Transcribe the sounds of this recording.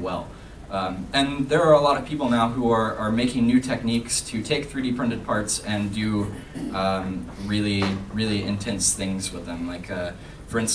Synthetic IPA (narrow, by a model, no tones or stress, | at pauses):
wɛlˠ | ʌ̃mɨ̃nðə˞ːəlɔɾʌv̥pʰipl̩ˠnaʊɦuə˞ʔə˞meɪkɪ̃ŋnʉtʰɛk̚nikstʰɨtʰeɪk̚θɹiɾipʰɹ̥ɪ̃ntɨd̚pʰɑɹtsɨ̃ndɨ | ʌ̃mɹɪlˠiɹɪlˠiɪ̃ntʰɛ̃nsθɪ̃ŋzwəðɨ̃mlaɪkʰʌ | fə˞ɪ̃ns